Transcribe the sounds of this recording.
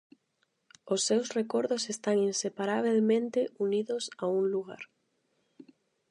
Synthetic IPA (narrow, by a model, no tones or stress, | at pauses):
osːewsrekoɾðosest̪aŋinsepaɾaβ̞elmẽnt̪eʔuniðosauŋluɣa̰ɾ